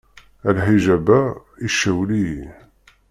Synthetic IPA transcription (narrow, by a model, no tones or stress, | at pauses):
ælħiʒæbæ | iʃæwli